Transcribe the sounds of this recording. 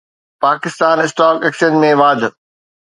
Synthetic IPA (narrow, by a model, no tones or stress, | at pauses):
paːkɪst̪aːnɪsʈaːkeːksənmẽʋaːd̪ʱ